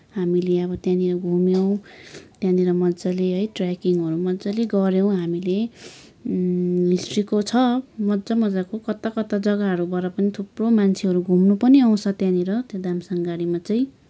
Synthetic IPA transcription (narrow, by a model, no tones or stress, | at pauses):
ɦamileʌbʌt̪jãniɾʌɡʱumjow̃t̪jãniɾʌmʌd͡zaleɦʌjʈrakiŋɦʌɾumʌd͡zaleɡʌɾjow̃ɦamile | ɦisʈrikot͡sʰʌmʌdd͡zʌmʌd͡zakokʌt̪akʌt̪ad͡zʌɡaɦʌɾubaɾʌpʌnit̪ʰupromant͡sʰeɦʌɾuɡʱumnupʌniʌw̃t͡sʰʌt̪jãniɾʌt̪od̪amsʌŋɡaɾimat͡sʌĩ